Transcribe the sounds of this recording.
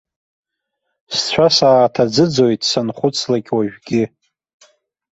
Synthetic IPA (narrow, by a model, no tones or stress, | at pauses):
st͡ɕʷʰasaːtʰad͡zɨd͡zo̞jtʼsanχʷʊt͡sʰlaɡʲwaʒᶣɡʲɪ